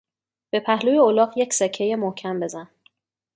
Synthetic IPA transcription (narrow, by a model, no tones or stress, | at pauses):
b̥e̞pʰæhlujeolɒːɢjecsecʰːejemohcʰæmbe̞zæn